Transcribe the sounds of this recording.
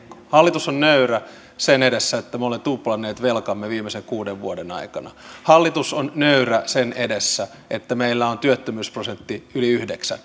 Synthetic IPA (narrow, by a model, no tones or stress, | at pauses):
hɑlːit̪usonnøyræ | senedesːæet̪ːæmolent̪uplɑnːeːt̪ʋelkɑmːeʋiːmeseŋkuːdeʋʋuodenɑ̰ikɑnɑ̰hɑlːit̪usonnøyræsenedesːæ | ʔet̪ːæmeilːæont̪yøt̪ːømyːsprosent̪ːiyliyhdeksæ̰n